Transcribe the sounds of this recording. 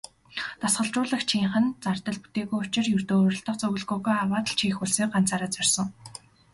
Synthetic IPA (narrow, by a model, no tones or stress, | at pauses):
t̪asɢə̆ɮt͡ɕʊːɮə̆xt͡ɕʰiːɴχə̆nt͡sart̪ə̆ɮpu̥t̪eːɣujʊt͡ɕɪ̆rjɵrt̪oːɾɞ̆ɬt̪ə̆qt͡sɵɣə̆ɮɣʊːɣujawaːt̪əɮt͡ɕʰiːxuɮseːk̚ɢan̥t͡saːɾaːt͡sœr̥ʲsə̆ŋ